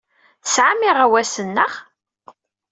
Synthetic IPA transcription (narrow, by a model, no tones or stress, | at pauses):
θəsʕamiʁæwæsənːəχ